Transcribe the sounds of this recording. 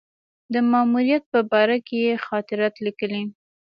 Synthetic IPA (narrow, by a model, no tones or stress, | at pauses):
d̪əmɑmuɾijat̪̚pəbɑɾakejexɑt̪ɪɾɑt̪likəli